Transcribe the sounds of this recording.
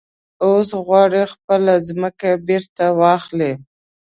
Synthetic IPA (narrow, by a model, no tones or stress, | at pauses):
osɣwɑɽexpəlazməkabeɾt̪awɑxle